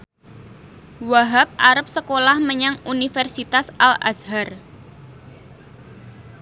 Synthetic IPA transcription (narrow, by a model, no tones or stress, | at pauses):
waɦap̚aɾəp̚səkolahməɲaŋunifɛrsit̪asala̰sɦar